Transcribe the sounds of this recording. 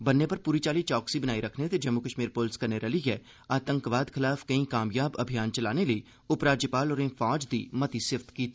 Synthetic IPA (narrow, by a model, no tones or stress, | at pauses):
bɐnːepɐɾpuːɾit͡ʃaːlit͡ʃɔːksibɐnaːiɾɐkʰnet̪ed͡ʒɐmːukəʃmiːɾpoːlskɐɾneɾɐliɦɛː | aːt̪ə̃ŋkʋaːd̪xɪlaːfkɐĩkaːmjaːbɐbʱijaːnt͡ʃɐlaːnelɐi | ʊpɾaːd͡ʒjəpaːlɔːɾẽːfɔːd͡ʒd̪ḭːmɐt̪isɪʋt̪kiːt̪ː